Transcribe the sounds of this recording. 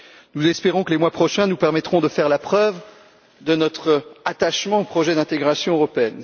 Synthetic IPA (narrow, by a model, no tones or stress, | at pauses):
nuzɛspeʁɔ̃kəlemwapχɔʃɛ̃nupɛʁmɛt̪χɔ̃d̪əfɛʁlapχœv | d̪ənɔt̪χat̪aʃmɑ̃opχɔʒɛd̪ɛ̃t̪eɡʁasjɔ̃øʁɔpeɛn